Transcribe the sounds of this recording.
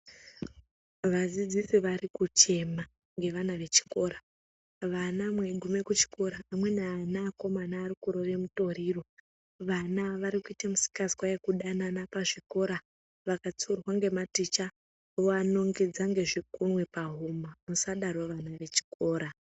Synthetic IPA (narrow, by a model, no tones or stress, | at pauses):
ʋad͡zid͡zisiʋarikut͡ʃe̞ma | ŋɡe̞ʋanaʋe̞t͡ʃi̥ko̞ːɾa | ʋanamwe̞ɡʱume̞kut͡ʃi̥ko̞ɾaamwe̞naanaːko̞manaːɾikuɾo̞ʋe̞muto̞ɾiːro̞ | ʋanaʋaɾikuitamusi̥kazwajekuɗananapaʐiko̞ɾa | ʋakat͡surwaŋɡe̞matit͡ʃa | ʋoano̞ŋɡid͡zaŋɡe̞ʐikunwe̞paɦumamusaɗarwoʋanaʋe̞t͡ʃi̥ko̞ːɾa